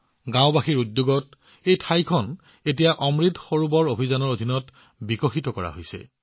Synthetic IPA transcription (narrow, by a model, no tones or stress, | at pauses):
ɡãw̃baxiɹudːjoɡɔt | ejtʰajkʰɔn | et̬ijaʔɔmɹitxoɹubɔɹobʱizanɔɹod̪ʱinɔt | bikoxitɔkɔɹa̰ɦojsɛ̰